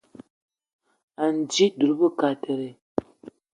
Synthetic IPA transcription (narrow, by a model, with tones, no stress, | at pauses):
a˨n˨d͡ʒi˦du˨ɾbə˦ka˨tʰə˨ɾe˨